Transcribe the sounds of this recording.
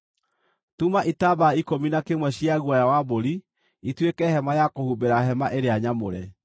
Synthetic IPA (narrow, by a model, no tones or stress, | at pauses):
tumaʔitabaikominakemwɛɕiaɣwajawaboɾi | itwekɛhɛmajakohubeɾaɦɛmaʔeɾeaɲamoɾɛ̰